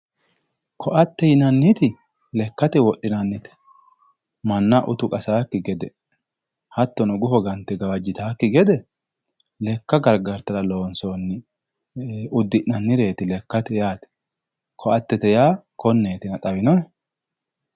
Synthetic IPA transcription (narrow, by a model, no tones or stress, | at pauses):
kʰɔʔɐt̪ːɛjɪnɐnːɪt̪ɪ | lɛkːɐt̪ɛwɔʔːɪnɐnːɪt̪ɛ̥ | mɐnːɐʔʊt̪ʊkʼɐsaːkːɪɡɛd̪ɛ | hɐt̪ːɔnʊɡʊfɔɡɐnt̪ːɛɡɐwɐd͡ʒːɪt̪aːkːɪɡɛd̪ɛ | lɛkːɐɡɐɾɡɐɾt̪ɐɾɐlo̞ːnsonːɪ | ʊd̪ːɪʔnɐnːɪɾe̞ːt̪ɪlɛkːɐt̪ɛjaːt̪ɛ̥ | kʰɔʔɐt̪ːɛt̪ɛjaːkɔnːeːt̪ɪnɐt̪ʼɐbɪnɔɛ